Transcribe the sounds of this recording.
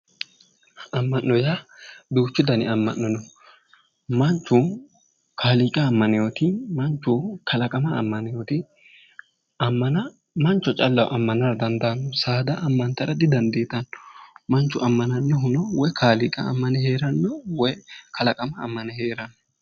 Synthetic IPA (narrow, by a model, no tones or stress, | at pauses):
ɐmːɐnːɔjabɪʊt͡ʃːɪd̪ɐnɪ̰ɐmːɐnːɔnɔ | mɐnt͡ʃːʊ | kʰaːliːkʼɐːmːɐnɪjoːt̪ɪmɐnt͡ʃːʊkʰɐlɐkʼɐmɐ̰ːmːɐnɪjoːt̪ɪ | ɐmːɐnɐ | mɐnt͡ʃːɔt͡ʃʼɐlːɐwʔɐmːɐnɐɾɐd̪ɐnd̪anːɔsaːd̪ɐʔɐmːɐnt̪ɐɾɐd̪ɪd̪ɐnd̪eːt̪ɐnːɔmɐnt͡ʃːʊɐmːɐnɐnːɛɦʊnɔwɔjkʰaːliːkʼɐɐ̰mːɐnɛheːɾɐnːɔwɔjkʰɐlɐkʼɐmɐ̰ːmːɐnɛheːɾɐnːɔ